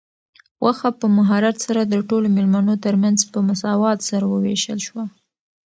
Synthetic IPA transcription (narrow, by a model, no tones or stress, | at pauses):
wʔaxapəmaɦɑɾat̪saɾad̪əʈolomɪlmanot̪əɾmanzpəmʊsɑwɑt̪saɾawəwḛʃə̰lʃwa